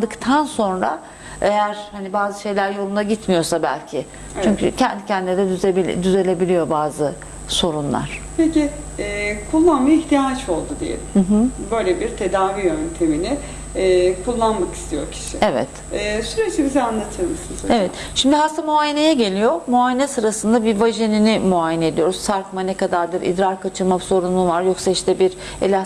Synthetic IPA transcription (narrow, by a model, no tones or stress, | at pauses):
d̪ɯkt̪ʰanso̞nɾa̰ | e̞jæɾhanibaːzɯʃe̞jlʲæɾjo̞lˠund̪aɟit̪mijo̞sabæ̰lʲcʰɪ | t͡ʃʰyɲɲcy̰cʰɛnd̪icʰɛnd̪ied̪ɛbd̪yze̞lʲe̞bilʲijo̞baːzɯ | so̞ɾunlˠa̰ɾ̝̥pʰecɪ | ɛːkʰulˠːanmajiçt̪ʰijat͡ʃo̞lˠd̪ud̪ejḛlʲimɯɦɯbø̞jlʲebiɾt̪ʰe̞d̪aːviønt̪ʰe̞minɪː | kʰulˠːanmaki̥st̪ʰijo̞ɾcʰi̥ʃievɛ̰t̪ | ɛːsyɾet͡ʃibizɛanlˠat̪ʰɯɾmɯsɯnoevɛt̪ | ʃimd̪iɦast̪ʰamuaːjene̞jɛɟe̞lʲijo̞muajenɛsɯɾasɯnd̪abivaʒeninimuajened̪ijo̞ɾzsaɾkmanekad̪aɾd̪ɯɾḭd̪ɾaɾkʰat͡ʃʰɯlˠmabso̞ɾunuvaɾjo̞ksaiʃt̪ʰɛbiɾ | elʲa